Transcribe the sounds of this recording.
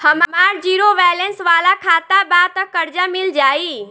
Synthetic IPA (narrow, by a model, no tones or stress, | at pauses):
həmmaːɾd͡ʒiːɾoʋɛːlensʋaːlakʰaːt̪abaːt̪əkːəɾd͡ʒamɪld͡ʒaːiː